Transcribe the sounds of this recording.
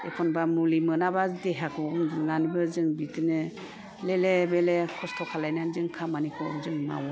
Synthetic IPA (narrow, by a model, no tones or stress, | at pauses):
ḛkʰɔnbamulimɯnabadeɦakʰɔmŋanibɯzɯŋbitɯnɯ | lelebelekʰɔstʰɔkʰalajnanzɯŋkʰamanikʰɔzɯŋma̰wɔ